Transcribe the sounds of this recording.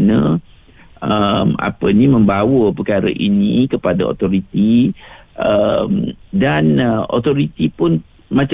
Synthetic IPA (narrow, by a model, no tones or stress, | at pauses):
nə̃ | əma̰pənimə̃mbawəpəkaɾə̰ʔinĩkəpadao̰t̪ɔɾit̪iʔəmdano̰t̪ɔɾit̪ipʊn | mãt͡ʃ